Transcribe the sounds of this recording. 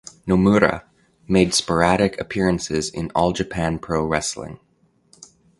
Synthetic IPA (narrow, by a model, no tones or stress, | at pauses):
nəmuɾɨ̰ | meɪd̥spə˞æɾɨkʰɨpʰɪɹɨ̃nsɪzɪ̰̃nɔlˠd͡ʒɨpʰæ̃npʰɹ̥oʊɹɛslɪ̰̃ŋ